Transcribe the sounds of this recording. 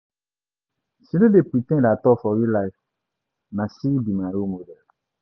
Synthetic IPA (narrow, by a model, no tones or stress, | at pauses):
sinedepit̪ɛ̃dat̪ɔfɔɾilaif | nãsiibimãɾomodɛl